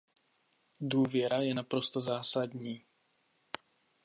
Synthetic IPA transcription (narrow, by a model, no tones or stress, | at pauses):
duːvjɛɾajɛnapɾo̞st̪ozaːsadɲiː